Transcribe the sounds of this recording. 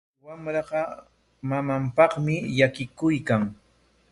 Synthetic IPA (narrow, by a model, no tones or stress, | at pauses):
wamɾɑɢɑ | mamampɑχmɪjakɪkʊjkaŋ